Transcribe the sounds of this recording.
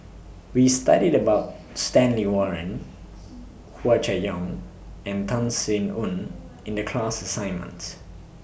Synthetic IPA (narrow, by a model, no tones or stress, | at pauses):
wista̰ɾidəbaʊt̚ | stɛ̃nliwɔɹə̃n | hwat͡ʃajɔ̃ŋ | ɛ̃ntʰãnsĩnũn | ɪ̃ndəkʰl̥asəsãɪ̃nmə̰̃nt